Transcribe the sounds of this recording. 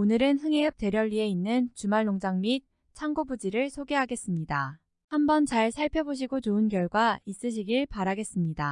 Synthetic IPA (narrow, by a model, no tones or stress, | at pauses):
onɯɾɯnɦɯŋe̞ʌp̚te̞ɾjʌɭːie̞inːɯnt͡ɕumaɭːoŋd͡ʑaŋmit̚ | t͡ɕʰaŋɡobud͡ʑiɾɯɭsʰoɡe̞ɦaɡe̞s͈ɯmɲida | hambʌnt͡ɕaɭsʰaɭpʰjʌboɕ̬ʰiɡot͡ɕoɯnkjʌɭɡwais͈ɯɕ̬ʰiɡiɭpaɾaɡe̞s͈ɯmɲida